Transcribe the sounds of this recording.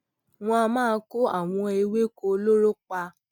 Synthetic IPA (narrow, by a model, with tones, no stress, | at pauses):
w̃ɔ̃˧a˧mãː˦˧ko˦a̰˦˨w̃ɔ̃˧e˧we˦ko˧lo˦ɾo˦k͡pa˧